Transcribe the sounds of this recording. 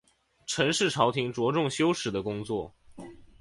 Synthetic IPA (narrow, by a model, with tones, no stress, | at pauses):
ʈ͡ʂʰɤ˧˥ŋʂɻ̩˥˩ʈ͡ʂʰɑ˧˥ʊt̪ʰi˧˥ŋʈ͡ʂwɔ˧˥ʈ͡ʂʊ˥˩ŋɕjo˥ʊʂɻ̩˨˧˥d̪ə˦kʊ˥ŋt͡swɔ˥˩